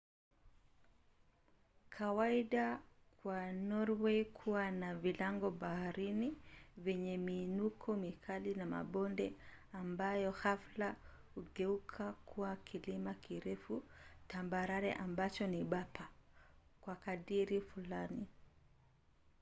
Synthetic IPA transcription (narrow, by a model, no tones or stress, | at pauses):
kʰawaiɗakwanɔɾweikʰuwanavilaŋɡɔɓahaɾinivɛɲɛmiːnukʰɔmikʰalinama̰ɓɔndɛ̰ | ambajɔhafla | huɠɛukʰakʰuwakʰilimakiɾɛfutambaɾaɾɛ̰ʔambat͡ʃɔniɓapʰa | kwakaɗiɾifulani